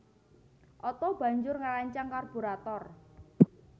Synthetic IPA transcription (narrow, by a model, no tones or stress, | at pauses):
ʔɔt̪ɔb̥a̤ɲd͡ʒʊrŋaɾaɲt͡ʃaŋkɔrb̥uɾat̪ɔr